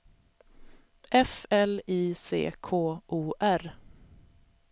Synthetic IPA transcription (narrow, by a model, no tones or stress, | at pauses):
ʔɛfɛliːsḛːkʰoːʔuːʔæɾ